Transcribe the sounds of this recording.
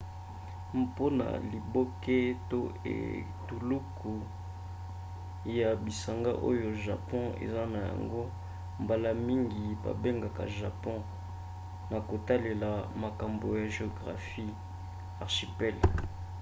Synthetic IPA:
po˦na̰˨li˨bo˦ke˦to˦ḛ˨ | tu˨lu˦kʰu˨ | ja˨bi˨sa˨ŋɡa˦ʔo˦jo˨ʒa˨pɔ̃˦ḛ˨za˦na˨ja̰˨ŋɡo˦ | mba˨la˦mi˦ŋɡi˨ba̰˨be˦ŋɡa˨ka̰˨ʒa˨pɔ̃˦ | na˨ko˨ta˦le˨la˨ma˨ka˨mbo˨ja˨ʒe˨o˨ɡʁa̰˨fi˦ | a˨ʁʃi˨pɛ˦l

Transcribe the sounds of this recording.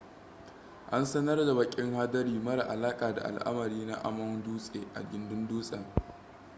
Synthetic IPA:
ʔa˦nsɐ˦nɐ˦rda˨bɐ˨kʲʼɪ˦ŋhaː˦dɐ˦ɾiː˦mɐ˦ɾa˨ʔa˨laː˦kʼaː˨da̰˨ʔa̰˨lʔa̰˦mɐ˨ɾiː˦na˦ʔa̰˦mɐ˦nduː˦sʼeː˨ʔa̰˨ɡɪ˦ndʊ˦nduː˦sʼa˨

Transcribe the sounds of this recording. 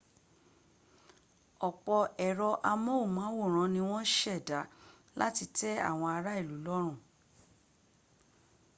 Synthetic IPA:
ɔ˨k͡pɔ˧ɛ˨ɾɔ˧ʔa˧mɔ̃˦u˦˨mãː˨˦wo˦˨ɾ̃ã˨˧˦nĩ˧w̃ɔ̃˦ʃɛ˦˨da˨˦ | la̰˦ti˧tɛ˦a̰˦˨w̃ɔ̃˧a˧ɾa˦i˦˨lu˨˦lɔ˦ɾ̃ũ˦˨

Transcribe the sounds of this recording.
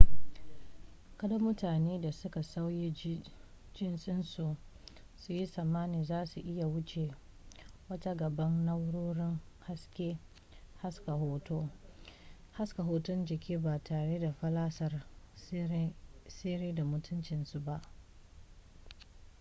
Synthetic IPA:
kɐ˨dɐ˦mʊ˦taː˨neː˦da˨sʊ˦ka˨sa˦wji˦ | d͡ʒɪ˦nsʼɪ˦nsu˨ʔ | su˨ji˦sɐ˨maː˦niː˨zaː˦su˨ʔɪ˦ja˨wʊ˦t͡ʃe˨ | wɐ˦ta˦ɡɐ˨bɐ˦nnɐ˦wɽoː˦ɽɪ˦ŋ | ha˦skʲeː˦ | ha˦ska˨ɦoː˦toː˦ | ha˦ska˨ɦoː˦tʊ˦nd͡ʒɪ˨kʲʰiː˦baː˨tʰaː˨ɽe˦da˨ɸɐ˦laː˦sɐ˨r | seː˦ɾeː˦da˨mʊ˦tʰʊ˦nt͡ʃɪ˨nsu˨ba˦ʔ

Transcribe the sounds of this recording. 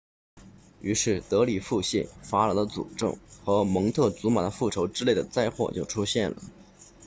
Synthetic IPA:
y˧˥ʂɻ̩˥˩t̪ɤ˧˥li˨˩fu˥˧ɕḭ˥˩nfa˧˥la˧˥d̪ə˧t͡sṵ˨˩ʈ͡ʂɤ̰˥˩ŋxɤ˧˥mɤ˧˥ŋt̪ʰɤ˥˩t͡su˧˥ma˨˩d̪ə˦fu˥˩ʈ͡ʂʰo˧˥ʊʈ͡ʂɻ̩˥le˥˩ɪd̪ə˩t͡sa˥˧ɪxwɔ̰˥˧t͡ɕjo˥˩ʊʈ͡ʂʰu˥ɕjɛ˥˩nlə̰˩

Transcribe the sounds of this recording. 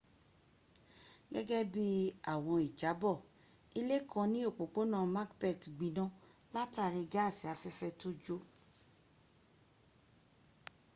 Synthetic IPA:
ɡɛ˦ɡɛ˦bi˦a˦˨w̃ɔ̃˧i˨d͡ʒa˨˦bɔ˦˨ | i˧le˦kʰã˧nĩ˦o˦˨k͡po˨k͡po˨˦nã˦˨ma˦kbɛ˦˨tɡ͡bi˨nã˦la˦ta˦˨ɾi˧ɡa˦a˦˨si˨a˨fɛ˦fɛ˧to˦d͡ʒo˦

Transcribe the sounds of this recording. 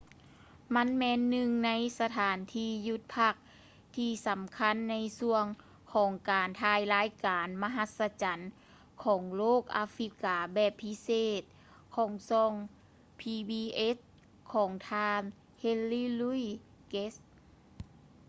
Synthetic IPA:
ma˧˥˨nmɛː˧˥nːɯ˧ŋna˧˥jsa˧t̪ʰaː˨˦nt̪ʰiː˧˩ju˧˥t̪̚pʰa˧˩k̚ | t̪ʰiː˧˩sa˨˦mkʰa˧˥˨nːa˧˥jsu˧əŋ | kʰɔː˨˩˦ŋkaː˨˩nt̪ʰaː˧jlaː˧˥jkaː˨nma˧ɦa˧t̪̚sa˧t͡ɕa˨˦n | kʰɔː˩˦ŋloː˥˩k̚ʔa̰ː˧fɾi˧˥kːaː˨˩˦bɛː˨˩pʰːi˧˥seː˧˩t̪̚ | kʰɔː˨˩˦ŋsɔː˧ŋ | pʰiː˧biː˧ʔe˧˦˥s | kʰɔː˩˦ŋt̪ʰaː˧n | he˧nlːiː˧lu˧˥j | ke˦˥s

